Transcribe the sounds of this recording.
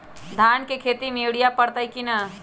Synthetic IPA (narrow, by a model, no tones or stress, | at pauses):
d̪ʱaːnkekʰeːt̪imewɽijapəɽt̪aikina